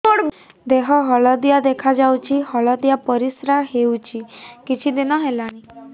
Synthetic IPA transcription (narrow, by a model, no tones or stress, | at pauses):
oɽ | d̪eɦɔɦɔɭɔd̪ijad̪ekʰad͡ʒawt͡ʃʰihɔɭɔd̪ijapɔɾisɾaɦewt͡ʃʰikit͡ʃʰid̪inɔɦelaɽ̃i